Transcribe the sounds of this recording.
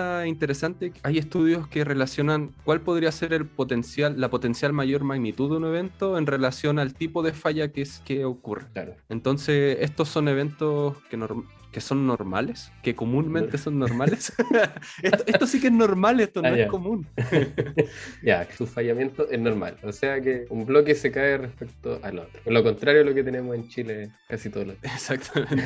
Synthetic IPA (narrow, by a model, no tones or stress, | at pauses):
aint̪eɾesant̪eaje̞st̪uðjo̞skere̞lasjo̞naŋkwalpo̞ð̞ɾiase̞ɾe̞lpo̞t̪e̞nsjalːapo̞t̪e̞nsjalmaʝo̞ɾmaɣnit̪uðeune̞β̞e̞nt̪o̞e̞nre̞lasjo̞nalt̪ipo̞ðefaʝakeskeokurekla̰ɾoent̪o̞nseest̪oso̞ne̞β̞e̞nt̪oskenoɾm | keso̞nːoɾma̰leskekomunme̞nt̪eso̞nːoɾmales | eht̪oet̪osikeznoɾmalest̪onoeakomun | jasusfajamje̞nt̪oʔenoɾma̰loseakeumblokesekaerehpek̚t̪oʔalo̰t̪ɾoloko̞nt̪ɾaɾjoloket̪e̞nemose̞nt͡ʃilekasit̪oðoloesak̚t̪ʰament̪